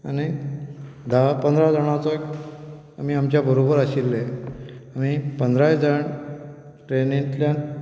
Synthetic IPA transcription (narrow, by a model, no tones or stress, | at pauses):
a̰ni | d̪ʱapə̃nd̪ʱɾad͡zəɽ̃at͡sɔ | am̤iːamt͡ɕjabəɾobəɾaɕilːe | am̤ipənd̪ʱɾad͡zəɳ | ʈɾenĩt̪ljãn